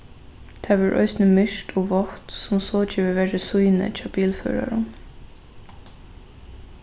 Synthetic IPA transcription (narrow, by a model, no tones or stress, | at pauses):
t̪ʰɛːʋɑɹʔœ̰ʏsnəmʏʃʈʰɔːʋɔht̪sʊmsoːd͡ʒiːʋəʋeːɹəsuɪnə̰t͡ʃʰɑːb̥iːlfø̰ːɹa̰ɹʊn